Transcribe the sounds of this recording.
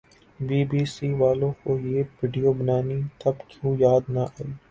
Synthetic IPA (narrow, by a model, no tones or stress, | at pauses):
biːbiːsiːʋaːlõkojeːʋɪɖijoːbənaːnit̪ɐbkjũːjaːd̪naʔaːiː